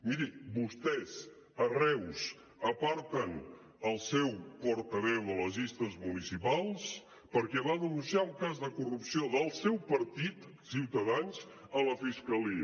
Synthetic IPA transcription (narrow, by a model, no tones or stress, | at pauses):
miɾibust̪ɛz | ərɛws | əpaɾt̪ən | əlˠsɛwpɔɾt̪əβɛwðələzist̪əzmunisipalˠs | pəɾkɛβaðənunsiauŋkazðəkurupsioðəlˠsɛwpəɾt̪it̪ | siwt̪əðans | ələfiskəliə